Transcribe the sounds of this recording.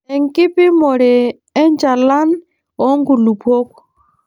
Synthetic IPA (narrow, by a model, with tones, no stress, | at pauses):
ɛ˨ŋ˦ki˦pi˦mɔ˨ɺɛ˨ | ɛ˦nd͡ʒa˨la˦n | ɔ˨˦ŋɡu˨lu˨bo˦kɔ̥˨